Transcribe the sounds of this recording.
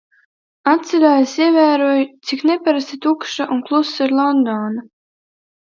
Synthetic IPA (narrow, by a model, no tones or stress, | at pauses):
at̪siɾʲaːjasiɛvæːɾuɔjut̪siknɛpaɾast̪it̪ukʃaʔunklˠusːiɾlˠɔnd̪ɔːna